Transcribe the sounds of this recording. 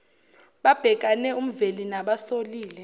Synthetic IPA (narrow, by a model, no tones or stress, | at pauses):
ɓab̥ʱɛk̬ʼanɛum̩velinaɓasoliːlɛ